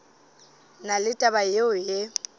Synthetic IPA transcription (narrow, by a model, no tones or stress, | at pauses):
nalɪtʼabajeʊje